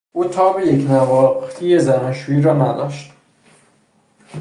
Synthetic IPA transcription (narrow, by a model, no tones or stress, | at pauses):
ʔuːt̪ʰɒːbejecnævɒːqt̪ʰijezæmɒnʃuːjiːɾɒːnæd̪ɒ̰ːʃt̪